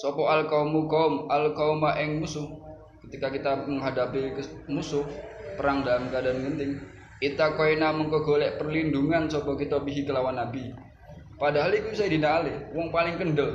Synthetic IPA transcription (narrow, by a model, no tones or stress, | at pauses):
sɔpɔalkaumukaʊmalkaumaʔɪŋmusʊh | kət̪ikakit̪aməŋɦadapɪkmusʊhpəɾaŋdalamkadanɡənt̪ɪŋ | it̪akoinaməŋkəɡolɛʔpərlinduŋansɔpɔkit̪ɔpiɦikəlawanːabi | padaɦalikusadinaːlɪwɔŋpalɪŋkəndəl